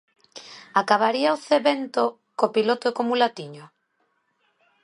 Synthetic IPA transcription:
akaβ̞aɾiaoθeβent̪o | kopilot̪oekomulat̪iɲo

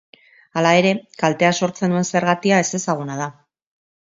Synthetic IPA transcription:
alae̞ɾe̞kalt̪e̞aso̞ɾt͡se̞nue̞nse̞ɾɣat̪iae̞se̞saɣ̞unað̞a

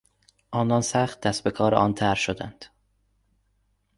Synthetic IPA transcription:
ʔɒːnɒnsæχt̪̚d̪æsbekʰɒːɾeʔɒːnt̪ʰæɾʃod̪æ̰nd̪̥

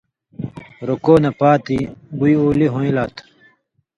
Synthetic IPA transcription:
ɾokoːnɐpaːt̪ibujoːliɦõilaːt̪ʰ

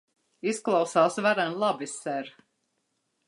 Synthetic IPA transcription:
isklˠawsaːsvaɾanlˠabisɛɾ

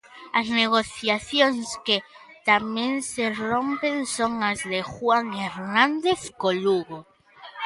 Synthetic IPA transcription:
azneɣ̞oθjaθjoŋske | t̪amjenserompensoŋazðexwaŋeɾnãnd̪eθkoluɣo

